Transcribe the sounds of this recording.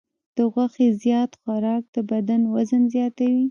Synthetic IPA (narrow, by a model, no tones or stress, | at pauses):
d̪̥əɣwaxezjɑt̪xaɾɑk̚d̪̥əbad̪anwazənzjɑt̪awi